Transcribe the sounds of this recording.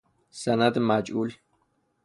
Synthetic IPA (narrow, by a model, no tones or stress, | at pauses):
sanad̪mad͡ʒuːl